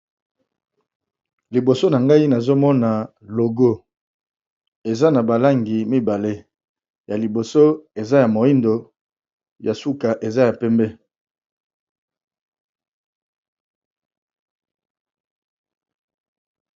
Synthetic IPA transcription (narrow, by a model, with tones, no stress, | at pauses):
li˨bo˨so˦na˨ŋɡa˦i˦na˨zo˦mɔ˦na˨ | lo˨ɡo˦ | e˨za˦na˨ba˨la˦ŋɡi˨mi˦ba˨le˦ | ja˨li˨bo˨so˦e˨za˦ja˨mo˨i˦ndo˨ | ja˨su˦ka˨ʔe˨za˦ja˨pɛ˦mbɛ˦